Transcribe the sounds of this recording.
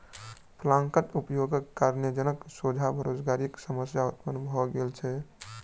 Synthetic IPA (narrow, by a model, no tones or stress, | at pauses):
pʰlãŋkət̪upjoɡəkːaɾnəd͡ʒənəksod͡ʒʱabʱəɾod͡ʒɡaɾiksəməsjaut̪̚pənbʱɔɡelt͡ʃʰɛ